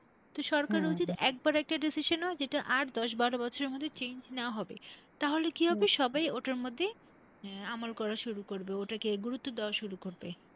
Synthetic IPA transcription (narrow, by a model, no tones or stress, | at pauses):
t̪oʃɔɾkaɾut͡ɕit̪ɛk̚baɾɛk̚ʈaɖisiʃonɔed͡ʑeʈaʔaɾd̪ɔʃ̬baɾobɔt͡ɕʰoɾeɾmod̪ʱːet͡ɕend͡ʑneoaɦɔbḛt̪aɦolekiɦɔbeʃɔbajoʈaɾmod̪ʱːe | amolkɔɾaʃuɾukoɾbeoʈakeɡuɾut̪ːod̪eoaʃuɾukoɾbe